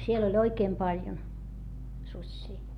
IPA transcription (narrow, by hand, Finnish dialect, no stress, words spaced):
siel olʲ oikeːm pɑljon susʲːiː